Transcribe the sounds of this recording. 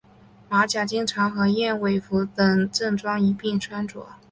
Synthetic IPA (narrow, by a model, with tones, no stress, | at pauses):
ma˧˥t͡ɕja˨˩t͡ɕi˥ŋʈ͡ʂʰɑ˧˥ŋxɤ˧˥jɛ˥˩nwe˨˩ɪfu˧˥t̪ɤ˨˩ŋʈ͡ʂɤ˥˩ŋʈ͡ʂwɑ˥ŋi˧˥pi˥˩ŋʈ͡ʂʰwa˥nʈ͡ʂwɔ̰˨˩˦